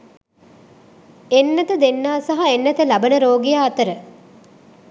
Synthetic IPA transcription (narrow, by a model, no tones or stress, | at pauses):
enːɐt̪əd̪enːaːsaɦaenːɐt̪əlɐbənəɾoːɡijaːt̪əɾə